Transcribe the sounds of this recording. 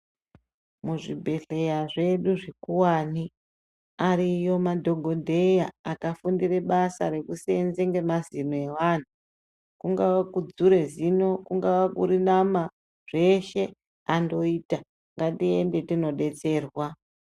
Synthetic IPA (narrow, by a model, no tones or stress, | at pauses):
muʐibʱe̞ɬe̞jaʐe̞ɗuʐikuwaːni | aɾijo̞madʱoɡʱo̞dʱe̞jaːkafundire̞ɓasa̰ɾe̞kusenzeŋɡe̞mazinoe̞wan̤u | kuŋɡawakud͡zuɾe̞zino̞kuŋɡawakṵɾinama | ʐ̥e̞ʃe̞ | ando̞iːta | ŋɡatie̞nde̞tino̞ɗe̞t͡se̞ːrwa